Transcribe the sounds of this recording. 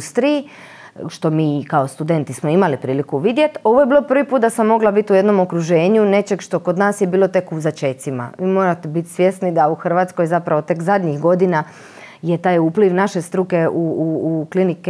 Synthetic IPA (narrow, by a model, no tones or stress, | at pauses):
st̪ɾiji | ʃt̪o̞miːkao̞st̪ud̪ent̪ismo̞imalipɾiːlikuʋid̪je̞t̪o̞ʋo̞jebiːlopr̩ʋipuːt̪d̪asamːo̞ɡlabit̪uje̞d̪no̞mokɾuʒeːɲune̞t͡ʃe̞ɡʃt̪o̞kod̪naːsjebiːlo̞t̪e̞kuzat͡ʃe̞t̪sima̰ʋiːmo̞ːɾat̪ebit̪sʋje̞snid̪auxr̩ʋaːt̪sko̞jzapɾaʋo̞t̪e̞kzad̪ɲixɡo̞d̪ina | jet̪aːjuːpliʋnaʃe̞st̪ɾuke̞uklinik